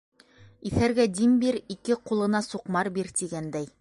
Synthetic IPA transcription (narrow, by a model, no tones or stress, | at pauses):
iθæɾɡæd̪imbiɾikɘqulˠɤ̆nɑsuqmɑɾbiɾt̪iɡænd̪æj